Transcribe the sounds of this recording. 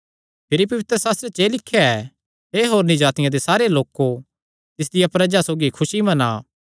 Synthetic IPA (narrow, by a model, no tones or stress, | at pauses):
pʰɪɾipɐʋɪt̪ɾəsaːs̬t̪ɾet͡ʃeːlɪkʰːjaɛ | eːɦoːɾnĩd͡ʒaːt̪ɪjãd̪esaːɾeloːko | t̪ɪs̬d̪ɪjapɾɐd͡ʒasoːɡikʰʊsimɐ̃na̰ː